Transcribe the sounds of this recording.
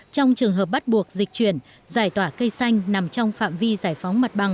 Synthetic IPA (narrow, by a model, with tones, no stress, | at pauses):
t͡ɕɔ˧wŋ͡mt͡ɕɨ˨˩əŋɦəː˨˩p̚ɓa˦˥t̚ɓu˨˩ək̚zi˨˩k̟̚t͡ɕwi˧˩ən | zaː˧˩jt̪waː˧˩kə˧jsa˧jŋ̟na˨˩mt͡ɕɔ˧wŋ͡mfa̰ː˧˨mvi˧zaː˧˩jfɔ˨˦wŋ͡mma˨˩t̚ɓa˨˩ŋ